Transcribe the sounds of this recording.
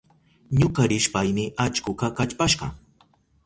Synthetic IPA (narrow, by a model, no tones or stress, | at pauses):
ɲʊkaɾɪʃpajmɪʔat͡ʃkʊkɑkat͡ʃpaʃɢɑ̰